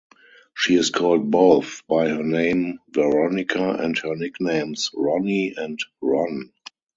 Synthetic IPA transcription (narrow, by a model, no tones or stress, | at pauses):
ʃiːɪskʰɔːlt̚boʊθbaɪhənẽɪ̃mvɛɹɔnɪkʰaɛ̰̃nthɜ˞nɪknẽɪ̃msɹɔniɛ̃ntɹɔ̃n